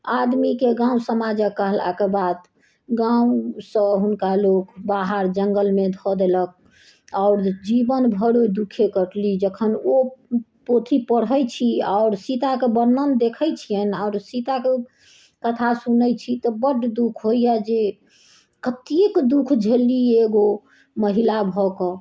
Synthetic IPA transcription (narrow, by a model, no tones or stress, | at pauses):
ad̪mikeɡãũsəmad͡ʒəkːəɦla̰kebad̪ | ɡãũsə̃ɦunkalokbaɦəɾd͡ʒəŋɡəlmed̪ʱɔd̪elək̚ | aʊɾd͡ʒibənbʱəɽod̪ukʰekəʈlid͡ʒəkʰənopot̪ʰipəɽɦəjt͡ʃʰiaʊɾsit̪akebəɾnənd̪ekʰəjt͡ʃʰijənaʊɾsit̪ake | kət̪ʰasunəjt͡ʃʰit̪ɔbəɖd̪ukʰɦoijad͡ʒe | kət̪ekd̪ukʰd͡ʒʱelieɡo | məɦilabʱɔkɔ